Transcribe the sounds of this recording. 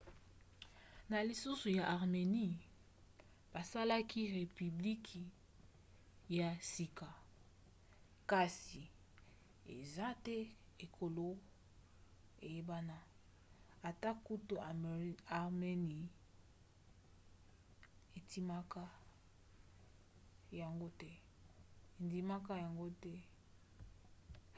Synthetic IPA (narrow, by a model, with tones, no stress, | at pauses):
na˨li˨su˦su˨ja˨ʔa˨ʁme˨ni˦˨ | b̥a˨sa˦la˦ki˦ʁe˨py˨bli˦kʰi˨ | ja˨si˨ka˨ | ka˨si˨ | ḛ˨za˦tɛ˦e˨kʰo˨lo˦ | e˨je˦ba˦na˦ | a˨ta˦ku˦to˨a˨a˨ʁme˦ni˨ | e˨ti˦ma˦ka˦ | ja˨ŋɡo˦tɛ˦ | e˨ndi˨ma˦ka˦ja˨ŋɡo˦tɛ˦